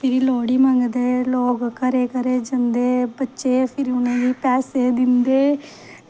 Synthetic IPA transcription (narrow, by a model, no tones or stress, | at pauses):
pʰɪɾiloːɽiːmãŋɡd̪eːloːɡkəɾeːkəɾeːd͡ʒənd̪eːbətːʃeːpʰɪɾiʊnẽːʋiːpɛːseːd̪ɪnd̪eː